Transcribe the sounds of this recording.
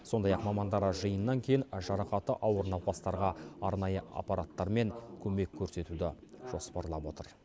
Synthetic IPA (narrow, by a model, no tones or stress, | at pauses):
so̞nd̪ɑjɑqmɑmɑnd̪ɑɾɑʒəjənːɑŋkʲʰe̞jɪnʒɑɾɑqɑt̪əʔɑwəɾənɑwpɑst̪ɑɾʁɑɑɾnɑjəɑ̰pɑɾat̪ːɑɾme̞ŋkʲʰɵme̞kʲʰːɵɾse̞t̪ud̪ɪʒ̥o̞spɑɾlˠɑbwo̞t̪əɾ